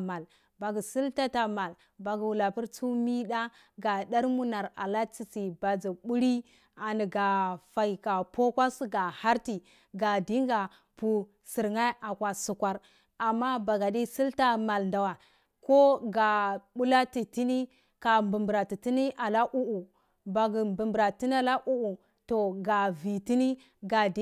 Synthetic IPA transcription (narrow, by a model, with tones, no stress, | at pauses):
ma˨l | ba˨ɡi˨si˦lta˦ta˨ma˨l | ba˨ɡu˨wu˨la˨pi˦ɾt͡su˦mi˦da˦ | ɡa˨da˦ɾmu˦na˨ɾa̰˨la˦t͡si˦˨si˨ba˨d͡zi˨ɓu˦ɾi˦ | a˨ni˨ɡa˨fa˨i˨ka˨po˦kʷa˦sɡa˨ha˦ɾti˨ | ɡa˨di˦ŋɡa˨ | pu˨ | si˨ɾŋa˦ʔa˨kwa˨su˨kʷa˦ɾ | a˨mːa˦ba˨ɡa˨di˦si˦lta˦ma˨lnda˨wa˨ | ko˦ɡa˨ɓu˦la˦ti˨ti˦ni˦ | ka˨mbu˨mbu˨ɾa˨ti˨ti˦ni˦ʔa˨la˦ʔu˦ʔu˨ | ba˨ɡi˨mbi˨mbɾa˨ti˦n˦a˦la˦ʔu˦ʔu˨ | to˨ɡa˨vi˨ti˦ni˦ | ɡa˨di˦